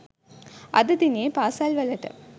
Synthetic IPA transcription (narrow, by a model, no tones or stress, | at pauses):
ʔɐ̰ðɯd̪ineːpaːsaːlʋɐlːɐʈːɐ̰